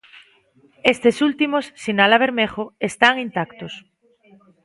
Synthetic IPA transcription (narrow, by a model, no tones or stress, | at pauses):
est̪esult̪imosːinalaβ̞eɾmexoest̪aŋint̪akt̪os